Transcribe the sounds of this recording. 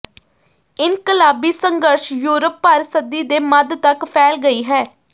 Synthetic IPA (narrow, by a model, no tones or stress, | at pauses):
ɪnkəlaːbiːsəŋɡəɾʃjuːɾəpːaːɾsəd̪iːd̪eːməd̪t̪əkpʰɛːlɡəiːɦɛː